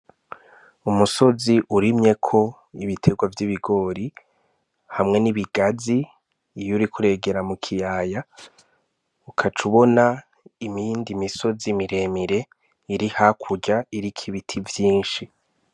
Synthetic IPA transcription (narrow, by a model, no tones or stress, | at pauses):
umuso̞ziʔuɾimɲe̞kʰo̞ | iβitʰe̞ɡwavjiβiɡo̞ːɾi | hamŋe̞niβiɡ̥aziː | juɾikʰuɾe̞ːɡe̞ɾamukʰijaːja | ukʰat͡ʃuβo̞na | imindimiso̞zimiɾe̞miɾe̞ | iɾihakʰuɟaiɾikʰiβitʰivjiːnʃi